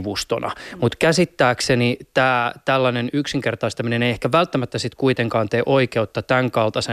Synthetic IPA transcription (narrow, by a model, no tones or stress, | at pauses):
ʋust̪o̰nɑ̰mut̪kæsit̪ːæːksenit̪æːt̪ælːænenyksiŋkert̪ɑist̪ɑmineneiehkæʋælt̪ːæmæt̪ːæsit̪kuit̪eŋkɑːnt̪eːʔoikeut̪ːɑt̪æŋkɑlt̪ɑse